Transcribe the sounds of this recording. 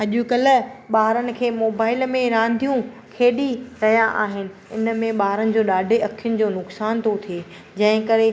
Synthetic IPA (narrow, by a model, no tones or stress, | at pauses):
ɐʄukɐlə̆ɓaːɦɾənɪ̆kʰeːmoːbaːɪlmẽɾãːnd̪ʱijũkʰeːɗiɾɐɦijaʔa̰ːɦɪnɪ̆ɪn̆mẽɓaːɦɾənɪ̆d͡ʑoːɗaːɖʱeɐkʰijʊnɪ̆d͡ʑoːnʊksaːnt̪ʰot̪ʰie | d͡ʑɐ̃ɦɪ̃kɐɾe